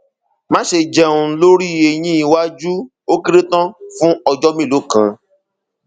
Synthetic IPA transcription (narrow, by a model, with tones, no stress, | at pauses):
mã˦ʃe˧˨d͡ʒɛ˨ũ˧˨˦lo˦ɾi˦˨e˧j̃ĩ˦i˧wa˦d͡ʒu˦ | o˦ki˦ɾe˦tã˦fũ˦ɔ˧d͡ʒɔ˦mĩ˦˨lo˨˦kã̰˨